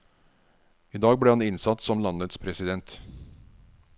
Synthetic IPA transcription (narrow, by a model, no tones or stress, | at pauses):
iːd̪ɑːɡ̚bɽeːhɑnɪnsɑt̪sɔmlɑnət̪spʰɾɛsɪd̪ɛnt̪